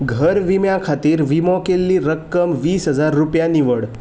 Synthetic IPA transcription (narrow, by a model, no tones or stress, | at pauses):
ɡʱəɾʋimjãkʰat̪iːɾʋimɔ̃kelːiɾəkːəmʋiːsɦəd͡zaɾːupjaniʋəɽ